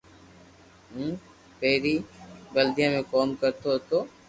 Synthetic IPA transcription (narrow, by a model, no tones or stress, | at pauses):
ɦũː | peːɾiːɡəld̪ijãːmẽkɔːmkəɾt̪ot̪oː